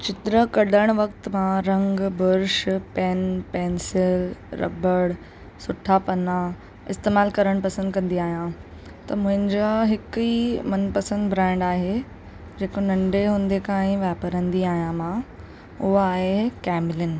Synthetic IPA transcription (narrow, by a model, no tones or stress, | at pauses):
t͡ɕɪt̪ɾəkɐɗəɽ̃ʋɐkt̪mãɾɐ̃ŋɡbʊɾʃpɛːnpɛːnsɪlɾɐ̰bəɽ | sʊʈʰapɐna | ɪst̪eːmaːlkɐɾəɽ̃pɐsə̃nd̪kɐ̃nd̪iaːɦijã | t̪ɐmʊ̃ɦɪ̃ɲd͡ʑaɦɪkimɐnpɐsə̃nd̪bʱɾãːɪ̃ɳɖaːɦe | d͡ʑeːkonɐ̃ɳɖeɦũːnd̪ekãːɪ̃ʋaːpəɾə̃nd̪iaːɦijãmãː | ʊɦaːɦekɛːmɪlɪn